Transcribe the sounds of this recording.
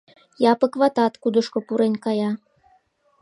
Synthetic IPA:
jɑpə̆kβɑt̪ɑt̪kud̪ə̆ʃkŏpuɾenʲkɑjɑ

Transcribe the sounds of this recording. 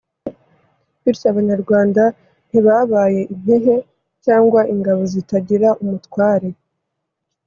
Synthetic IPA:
βiɾsaβaɲaɾɡwaːnda | n̥iβaβaːje̞ʔin̥he̞ɦe̞ | caːŋɡwaʔiŋɡaβo̞zitaɟiɾaʔumutwaːɾe

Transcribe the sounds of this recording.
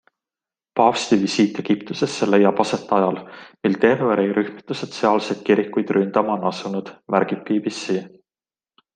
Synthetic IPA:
pɑfst̪ivisiːt̪ːˑe̞ɡ̥ipt̪use̞sːele̞jːɑb̥ɑse̞t̪ˑːɑjɑlmilt̪erve̞ɾejɾʔyhmit̪ːˑuse̞t̪seɑːlse̞d̪̥kiɾikːˑujd̪̥rynd̪̥ɑmɑnɑsunud̪̥væɾɡ̥ipːiːbisːi

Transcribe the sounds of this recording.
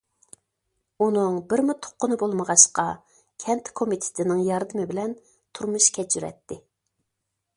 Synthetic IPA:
unɨŋbɪɾmut̪ʰːo̥qʰːʊnɨbolˠməʁɑʃqɑ | kʲʰɛnt̪ʰkʰomit̪ʰɪ̥t̪ʰɪnɪŋjɑɾd̪ɨmɪbɪlɛn | t̪ʰuɾmuʃkʲʰɛt͡ʃʰːyɾɛ̰t̪ːɪ

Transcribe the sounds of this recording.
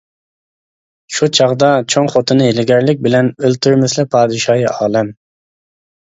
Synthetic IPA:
ʃut͡ʃʰɑʁd̪ɑt͡ʃʰoŋχot̪ʰɨnɨelɪɡʲɛɾlɪk̚ʲbɪlɛnølt̪ʰyɾmɪslɪpʰɑːd̪ɨʃɑːjiɑːlˠɛm

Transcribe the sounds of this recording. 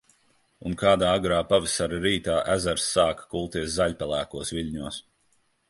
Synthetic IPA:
unkaːd̪aːaɡɾaːpavisaɾaɾiːt̪aːʔæzaɾsːaːkkulˠt̪iɛs̬zaʎʲpalˠæːkuɔsviʎʲɲuɔs

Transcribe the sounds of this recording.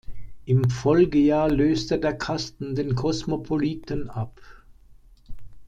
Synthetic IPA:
ʔɪmfɔlɡəjaːɐløːstədeːɐkʰastn̩deːnkʰɔsmopʰoliːtənʔap

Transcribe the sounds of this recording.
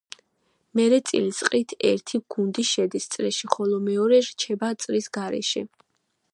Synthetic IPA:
mɛɾɛt̪sʼḭlisʼqʼit̪ʰɛ̰ɾt̪ʰiɡ̥und̪iʃɛd̪ist̪sʼɾɛʃiχɔlɔmɛɔɾɛɾt͡ʃʰɛbat̪sʼɾisɡaɾɛ̰ʃɛ̰

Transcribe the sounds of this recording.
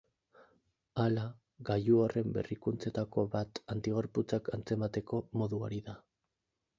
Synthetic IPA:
ala | ɣajuore̞mbe̞̰rikunt͡se̞t̪ako̞βat̪ant̪iɣ̞o̞ɾput͡sakant͡se̞mat̪e̞ko̞mo̞ðuo̰ɾiða

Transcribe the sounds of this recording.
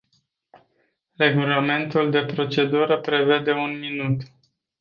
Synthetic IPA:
re̞ɡulame̞nt̪uld̪e̞pɾo̞t͡ʃe̞d̪uɾəpɾe̞ve̞d̪e̞unminut̪

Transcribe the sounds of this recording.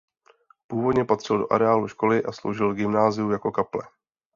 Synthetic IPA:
puːvo̞dɲɛpat̪r̥ɪldo̞̰ʔa̰ɾɛaːluʃko̞lɪʔaslo̞̰wʒɪlɡɪmnaːzɪjujako̞kaplɛ̰

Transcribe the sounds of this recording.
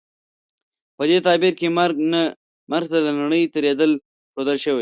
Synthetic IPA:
pəd̪et̪ɑːbiɾkem | maɾɡ̚t̪ad̪ənaɽ̃əjt̪əɾed̪əl | pod̪əlʃəwe

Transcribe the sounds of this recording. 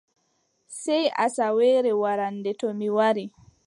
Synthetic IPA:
sɛjʔa̰sawɛːɾɛwaɾandɛtɔmiwaɾi

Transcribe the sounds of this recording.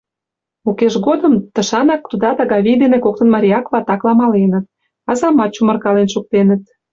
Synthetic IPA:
ukeʃɣod̪əmt̪ə̆ʃɑnɑk̚t̪ud̪ɑt̪ɑɣɑβijd̪enekok̚t̪ə̆nmɑɾʲiɑkβɑt̪ɑklɑmɑlenə̆t̪̚ | ɑzɑmɑt̪̚t͡ɕumə̆rkɑlenʃuk̚t̪enət̪̚

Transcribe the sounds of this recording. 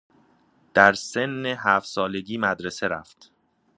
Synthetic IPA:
d̪̥æɾse̞nːeɦæːft̪sɒːle̞ɟiːmæd̪ɾe̞se̞ɾæft̪

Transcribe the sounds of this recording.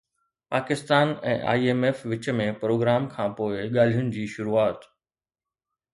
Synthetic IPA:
paːkɪst̪aːnɛ̰̃ːʔa̰ːieːmeːfʋɪt͡ɕəmẽpɾoːɡɾaːmkʰãːpoːɪɠaːl̤ijʊnɪ̆d͡ʑiːʃʊɾuaːt̪

